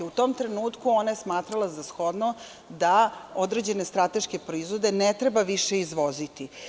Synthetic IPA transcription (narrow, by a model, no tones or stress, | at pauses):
ut̪o̞ːmt̪ɾe̞nuːt̪kuo̞najesmaːt̪ɾalˠazasxo̞d̪no | d̪ao̞d̪ɾed͡ʑe̞ne̞st̪ɾat̪e̞ʃke̞pɾoizʋo̞d̪enet̪ɾe̞baʋiʃe̞izʋo̞zit̪i